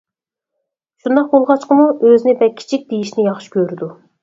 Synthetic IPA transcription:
ʃund̪ɑq̚bolˠʁɑt͡ʃqəmuʔøzɪnɪbɛkʲʰi̥t͡ʃʰik̚ʲd̪ejiʃnɪjɑχʃi̥kʲøɾɪd̪u

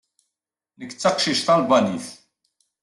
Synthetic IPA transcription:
nəkt͡sːɑqʃiʃt̪ɑlbɑniθ

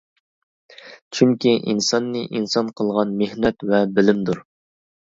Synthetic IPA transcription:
t͡ʃʰyŋkʲiʔinsɑnːɨʔinsɑnqʰəlˠʁɑnmehnɛt̪vɛbɪlɪmd̪uɾ

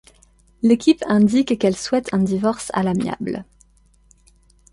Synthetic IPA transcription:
lekʲipɛ̃d̪ikːɛlswɛt̪ʰɛ̃d̪ivɔʁsa̰lamja̰bl

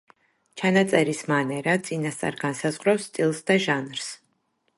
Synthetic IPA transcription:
t͡ʃʰanat̪sʼɛɾismanɛɾat̪sʼinast̪sʼa̰ɾɡansazʁɾafst̪ʼilˠsd̪aʒanɾs

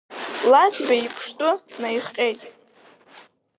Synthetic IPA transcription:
lat͡sbaipʰʂtʼʊnajχqʲʼe̞jtʼ

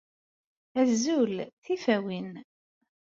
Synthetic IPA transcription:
æzːulθifæwin

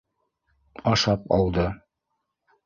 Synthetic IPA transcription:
ɑʃɑpɑ̰lˠd̪ɤ

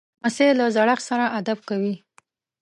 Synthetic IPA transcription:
aselazaɽaxsaɾaʔad̪ab̚kawi

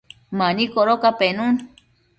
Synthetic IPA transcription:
manikoɾokapenũn

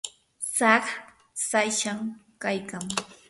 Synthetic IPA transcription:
saχ | sajʃaŋkajkaŋ

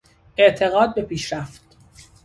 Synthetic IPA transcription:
ʔe̞ʔt̪ʰe̞ɣɒːd̪̚be̞pʰiːʃɾæft̪

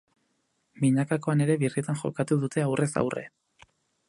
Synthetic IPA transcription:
miɲakako̞ane̞ɾe̞βiriet̪anʝo̞̰kat̪uðut̪e̞awre̞sa̰wrḛ

